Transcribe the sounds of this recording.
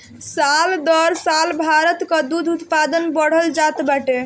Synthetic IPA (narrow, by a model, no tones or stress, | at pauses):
sald̪ɔɾsalbʱaɾət̪kəd̪ud̪ʱut̪pad̪ənbəɽ̤əld͡ʒat̪baʈe